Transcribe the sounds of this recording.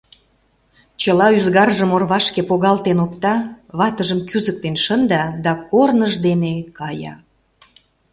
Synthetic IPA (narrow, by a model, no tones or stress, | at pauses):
t͡ɕəlɑyzɣɑrʒəmorβɑʃkepoɣɑlt̪enokt̪ɑβɑt̪əʒəmkyzək̚t̪enʃənd̪ɑd̪ɑkornəʒd̪enekɑjɑ̰